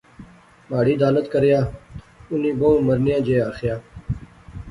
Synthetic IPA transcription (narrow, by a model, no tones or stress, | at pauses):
maːɽiːd̪aːlət̪kəɾjaː | ʊnĩːbõũːməɾnɪjãːd͡ʒeːaːxjaː